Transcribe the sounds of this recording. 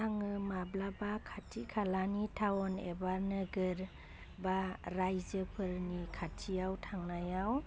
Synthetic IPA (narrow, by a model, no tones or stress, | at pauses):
aŋɯmablabakʰatʰikʰalanitʰawɔnḛbaɾnɯɡɯɾ | baɾajzɯpʰɯɾnikʰatʰijawtʰaŋnajaw